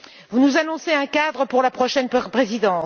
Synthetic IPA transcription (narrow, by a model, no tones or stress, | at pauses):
vunuzanɔ̃seɛ̃kad̪ʁəpuʁlapχɔʃɛnpχezid̪ɑ̃